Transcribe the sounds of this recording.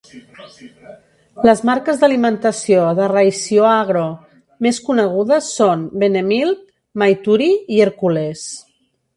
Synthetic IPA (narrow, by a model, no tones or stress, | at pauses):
ləzmaɾkəzðəlimənt̪əsioðərəjsioaɣ̞ɾo | meskunəɣ̞uðəsːonbenemilˠt̪̚ | majt̪uɾiiəɾkules